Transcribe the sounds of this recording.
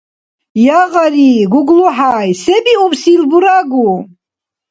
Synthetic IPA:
jaʁaɾiɡuɡluħajsɛbiubsilbuɾaɡu

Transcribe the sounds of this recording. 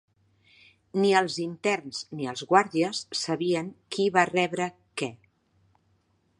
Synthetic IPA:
niəlˠzint̪ɛrnz̥niəlˠzɣwaɾðiəsːəβiəŋkiβarɛβɾə | kɛ

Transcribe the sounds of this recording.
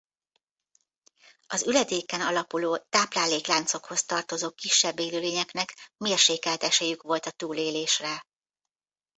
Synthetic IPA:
ɒzylɛd̪eːkɛnɒlɒpuloːt̪aːplaːleːklaːnt̪so̞kho̞st̪ɒrt̪o̞zoːkiʃːɛbːeːlyleːɲɛknɛkmeːrʃeːkɛlt̪ɛʃɛjykʋo̞lt̪ɒt̪uːleːleːʃrɛ

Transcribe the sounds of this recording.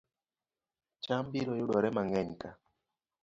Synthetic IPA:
t͡ʃambiɾɔjʊɗɔɾɛmaŋɛɲka

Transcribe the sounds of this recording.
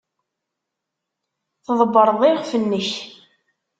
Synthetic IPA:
θðˤəbːəɾˤðˤɪʁfənːəç

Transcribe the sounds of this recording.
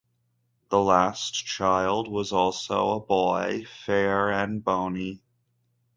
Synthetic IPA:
ðəlæst͡ʃʰaɪlˠd̚wʌzɔlˠsoʊəbɔɪfɛɹɨ̃nbõʊ̃ni

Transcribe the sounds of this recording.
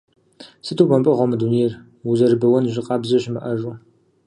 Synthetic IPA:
sɨtʰubɐmpʼɨʁʷɔmɨduneɛr | uzɐrbɐwɐnʒɪqʼɑːbzɐʒmɨʔɐʒʼu

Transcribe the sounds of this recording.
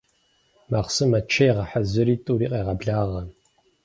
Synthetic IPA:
maχsɨmɐt͡ʃʰɐjɛʁɐħazɨɾiːtʼuɾiːqʼeːʁɐbɮaːʁɐ

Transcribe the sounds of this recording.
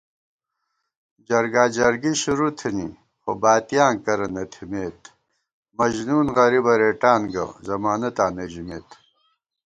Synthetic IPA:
d͡ʑɐɾɡaːd͡ʑɐɾɡiɕuɾut̪ʰini | xobaːt̪ijaːŋkɐɾɐnɐt̪ʰimeːt̪ | mɐʑnuːnɣɐɾibɐɾeːʈaːnɡɐ̰zɐmaːnɐt̪aːned͡ʑimḛːt̪

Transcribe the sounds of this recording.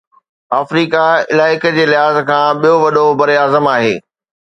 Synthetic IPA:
aːfɾiːkaɪlaːɪkəd͡ʑeːlɪɦaːzkʰãːɓijoʋɐɗobɐɾiaːzəmaːɦḛː

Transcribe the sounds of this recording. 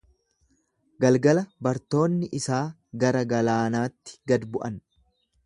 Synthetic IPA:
ɡɐlɡɐlɐbɐɾt̪o̞ːnːɪʔɪsaː | ɡɐɾɐɡɐlaːnaːt̪ːɪ̥ɡɐd̪bʊʔɐn

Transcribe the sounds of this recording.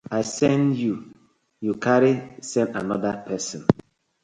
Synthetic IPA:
aɪsɛ̃nju | jukaɾisɛ̃ndanɔdapʰɛsɔ̃n

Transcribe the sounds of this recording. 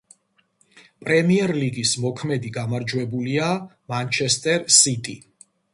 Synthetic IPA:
pʼɾɛmiɛɾliɡismɔkʰmɛd̪iɡamaɾd͡ʒwɛbulia | mant͡ʃʰɛst̪ʼɛɾsit̪ʼi

